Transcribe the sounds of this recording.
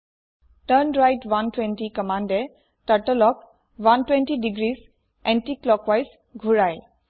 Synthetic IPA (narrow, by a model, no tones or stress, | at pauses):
ʈənɹajdwantwɛ̃ntikɔmandɛ | taʈəlɔk̚ | wantwɛ̃ntidiɡɹis | ɛ̃ntiklɔkwajs | ɡʱuɹaj